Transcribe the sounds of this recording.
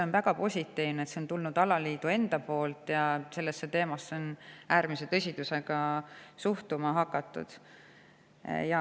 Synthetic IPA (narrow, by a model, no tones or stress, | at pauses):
eo̞nvæɡ̥ɑpo̞sʲit̪ːˑiːvnet̪se̞o̞nt̪ulnud̪̥ɑlɑliːd̪ue̞nd̪̥ɑpo̞ːlt̪jɑse̞lːesːet̪e̞ːmɑsːeo̞næːɾmise̞t̪ɤsʲid̪use̞ɡ̥ɑsuht̪umɑɦɑkːˑɑt̪ːˑṵd̪̥ | jɑ